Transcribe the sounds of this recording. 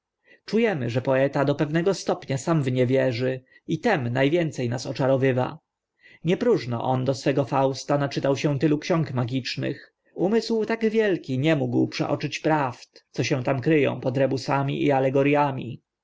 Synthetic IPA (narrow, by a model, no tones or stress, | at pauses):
t͡ʂujɛmɘ̰ʐɛpɔɛt̪ad̪ɔpɛvnɛɡɔst̪ɔpɲasamvɲɛvʲjɛʐɘ | it̪ɛmnajvʲjɛnt̪sɛjnasɔt͡ʂaɾɔvɘva̰ | ɲɛpɾuʐnɔ̰ʔɔnd̪ɔsfɛɡɔfawst̪anat͡ʂɘt̪awɕɛ̃t̪ɘlukɕɔ̃ŋkmaɡʲit͡ʂnɘ̰x | umɘswt̪aɡvʲjɛlkʲiɲɛmuɡwpʂɛ̰ʔɔ̰t͡ʂɘt͡ɕpɾaft̪t̪sɔɕɛ̃w̃t̪amkɾɘjɔ̰̃w̃pɔd̪ɾɛbusamʲḭʔialɛɡɔɾjamʲḭ